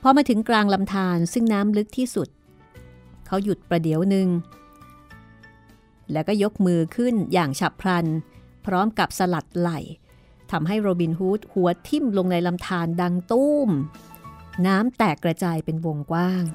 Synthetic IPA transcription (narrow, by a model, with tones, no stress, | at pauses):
pʰɔ˧maː˧t̪ʰɯ˩˦ŋklaː˧ŋla˧mt̪ʰaː˧nsɯ˥˩ŋnaː˦˥mlɯ˦˥k̚t̪ʰiː˥˩su˨˩t̪̚ | kʰa˦˥wju˨˩t̪̚pɾa˧di˩˦əwnɯ˧ŋ | lɛː˦˥wkɔː˥˩jo˦˥k̚mɯː˧kʰɯ˥˩njaː˨˩ŋt͡ɕʰa˨˩pʰɾa˧npʰɾɔː˦˥mka˨˩p̚sa˧la˨˩t̪̚la˨˩j | t̪ʰa˧mɦa˥˩jɾoː˧biː˧nɦuː˦˥t̪̚hu˩˦ɐt̪ʰi˥˩mlo˧ŋna˧jla˧mt̪ʰaː˧nda˧ŋt̪u˥˩m | naː˦˥mt̪ɛː˨˩kːɾa˧t͡ɕaː˧jpe˧nwo˧ŋkwaː˥˩ŋ